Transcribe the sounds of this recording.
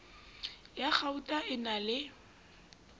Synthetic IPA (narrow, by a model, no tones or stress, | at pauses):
jak͡xʰautʼaʔɪnalɪ